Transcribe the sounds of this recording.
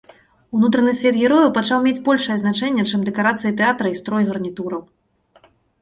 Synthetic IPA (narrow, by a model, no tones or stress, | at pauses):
unut̪ɾɐnɨsʲvʲɛt̪ɣʲiɾɔjɐwpat͡ʂawmʲet͡sʲbɔlʲʂɨjɛznat͡ʂɛnʲːɛt͡ʂɨmd̪ɛkaɾat̪sɨjit̪ɛat̪ɾɐist̪ɾɔjɣɐrnʲit̪uɾɐw